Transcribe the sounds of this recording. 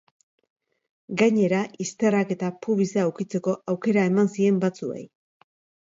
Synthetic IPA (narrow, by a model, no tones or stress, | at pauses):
ɡajɲe̞ɾaʔist̪e̞rake̞t̪apuβiseːwkit͡se̞ko̞ʔawke̞ɾae̞mansie̞mbat͡sue̞̰j